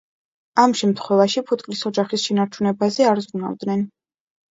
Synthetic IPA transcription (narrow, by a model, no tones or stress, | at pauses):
amʃɛmt̪ʰχwɛvaʃipʰut̪ʼkʼlisɔd͡ʒaχisʃɛnaɾt͡ʃʰunɛbazɛaɾzɾuna̰vd̪nɛn